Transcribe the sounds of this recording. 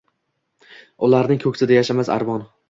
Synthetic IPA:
ʊlˠaɾnɪŋkʰɵkʲsɪd̪ajaʃamaza̰ɾbɒn

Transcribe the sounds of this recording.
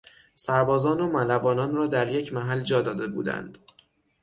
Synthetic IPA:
sæɾbɒːzɒːnomælævɒːnɒːnrɒːd̪æɾje̞cʰmæɦæld͡ʒɒːd̪ɒːd̪e̞bṵːd̪æ̰nd̪̥

